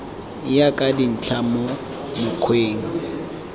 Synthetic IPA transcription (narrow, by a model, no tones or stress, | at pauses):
jakʼadin̩t͡ɬʰamo | mʊkʰweːŋ̩